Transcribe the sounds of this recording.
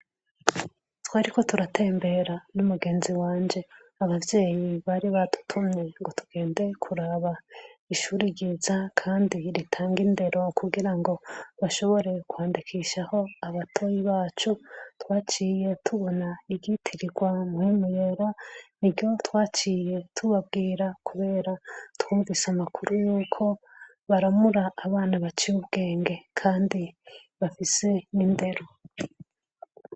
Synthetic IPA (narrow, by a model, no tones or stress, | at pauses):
twaːɾiko̞tuɾatʰe̞ːmbe̞ɾanumuɡe̞ːnziwaːɲd͡ʒe̞ | aβavje̞ːjiβaɾiβatu̥tʰuɲeŋɡo̞tuɡ̥e̞ːnde̞kʰuɾaβaiʃuɾiɡizakʰaːndiɾitʰaːŋɡinde̞ɾo̞kuɡiɾaŋɡo̞βaʃo̞βo̞ɾe̞kwaːndikʰiʃaho̞aβatʰojiβaːt͡ʃutwaːt͡ʃije̞tʰuβo̞naiɡɟitʰiɾiɡwamuimujeɾaniɟjo̞twaːt͡ʃiːje̞tʰuβab̚ɡiːɾakʰuβe̞ːɾatwuːɱvisamakʰuɾujuːkʰo̞ | βaɾamuɾaːβaːnaβat͡ʃiɾuβɡ̥e̞ːŋɡe̞kʰaːndiβafise̞inde̞ɾo̞